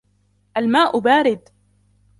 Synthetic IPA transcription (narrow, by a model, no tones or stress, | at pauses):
ʔalmaːʔʊbaːɾɪd̪